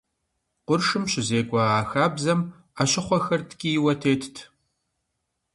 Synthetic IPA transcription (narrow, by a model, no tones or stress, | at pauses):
qʷʊrʂɨmɕɪzeːɡʷɐʁaːxaːbzɐm | aɕɪχʷɔxɐrtʰɡʲʼijɪwɐtʰeːtʰtʰ